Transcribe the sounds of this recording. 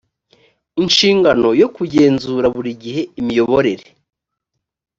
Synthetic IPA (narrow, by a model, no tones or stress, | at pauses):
inʃiːŋɡano̞jo̞kuɟe̞ːnzuːɾaβuɾiɟihe̞imijo̞βo̞ɾe̞ɾe